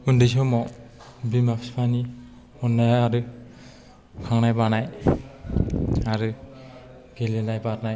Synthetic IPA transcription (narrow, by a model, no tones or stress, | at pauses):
undisɔmɔ | bimapʰspʰani | ɔnːajaɾɯ | kʰaŋnajbanaj | aɾɯ | ɡ̥elelajbaɾnaj